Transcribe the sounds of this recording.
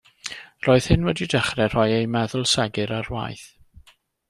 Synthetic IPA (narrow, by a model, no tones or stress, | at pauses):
roːɨð̥hɪnwɛdidəχrɛr̥ɔjejmɛðʊlˠsɛɡɨɾarwa̰jθ